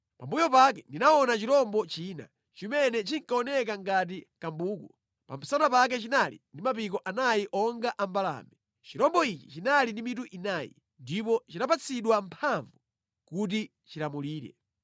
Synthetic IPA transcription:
pambujɔpakɛndinaɔnat͡ʃiɾɔmbɔt͡ʃiːna̰ | t͡ʃimɛnɛt͡ʃiŋkaɔnɛk̬aŋɡat̬ikambuːku | pa̰mpʰisanapak̬ɛt͡ʃinalḭndimapik̬ɔʔanajiʔɔŋɡaʔambala̰ːmɛ | t͡ʃiɾɔmbɔit͡ʃi̥t͡ʃinalindimituʔinaːjḭ | ndip̬ɔt͡ʃinapat͡sʰiɗwampʰaɱvu | kut̬i | t͡ʃilamuliːɾɛ̰

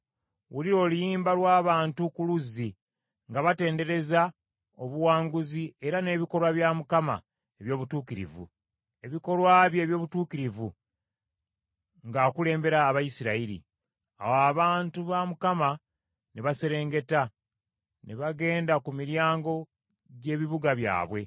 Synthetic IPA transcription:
wuliɾo̞ːlujiːmbalwaːβaːntukuluzi | ŋɡaβate̞ːnde̞ɾe̞za | oβuwaːŋɡuzie̞ɾane̞ːβiko̞lwaβjamukama̰ | e̞βjo̞ːβutuːkiɾḭvṵ | e̞βiko̞lwaβje̞βjo̞ːβutuːkiɾivṵ | ŋɡaːkule̞ːmbe̞ɾaːβajisiɾaiɾḭ | a̰waβaːntuβamukama | neβase̞ɾe̞ːŋɡe̞ta | neβaɡe̞ːndakumiɾjaːŋɡo̞ | ɟe̞ːβiβuɡaβja̰ːβwe̞

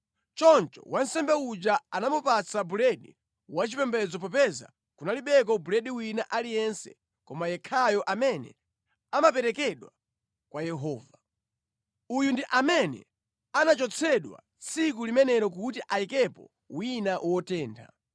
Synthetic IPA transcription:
t͡ʃɔnt͡ʃɔ̰wan̩sɛmbɛud͡ʒaanamupat͡sʰabuɾɛɗi | wat͡ʃipɛmbɛd͡zɔp̬ɔpɛza̰ | kunaliɓɛk̬ɔbuɾɛɗiwinaʔalijɛnsɛ̥̰ | kɔmajɛkʰajɔʔamɛnɛ̰ | amapɛɾɛkɛɗwa | kwajɛɦɔːva | ujundiʔamɛnɛ̰ | anat͡ʃɔt͡sʰɛɗwa̰ | t͡sʰik̬ulimɛnɛɾɔk̬utiʔaikɛpɔ̰ | winawɔtɛːndʰa̰

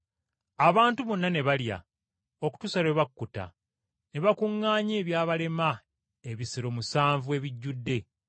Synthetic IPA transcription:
aβaːntuβonːane̞βalja̰ | o̞ku̥tusaɾe̞βakːuta̰ | ne̞βakuŋːaːɲe̞ːβjaːβale̞ma | e̞βisiɾo̞musaːɱvue̞ːβiɟːudːe̞

